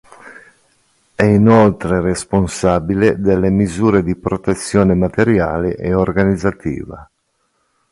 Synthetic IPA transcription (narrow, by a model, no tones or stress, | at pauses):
ɛinolt̪ɾeresponsaːbiled̪elːemizuːɾed̪ipɾot̪et̪sːjoːnemat̪eɾja̰ːleʔeorɡanid̪zːat̪ʰḭːva̰